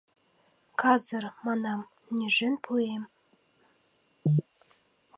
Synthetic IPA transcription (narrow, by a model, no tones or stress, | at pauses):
kʰɑzɪɾmɑnɑm | nʲeʒɘnpʰujem